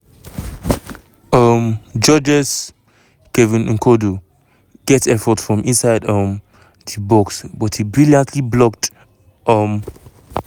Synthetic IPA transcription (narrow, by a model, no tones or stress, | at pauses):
ʌmd͡ʒɔd͡ʒɛs | kɛvĩnŋ̩kʰodu | ɡ̥ɛtɛfɔtfɹɔ̃mʔĩnsaɪdɔm | dibɔksbɔthibɹilãntʰliblɔk̚t | ɔm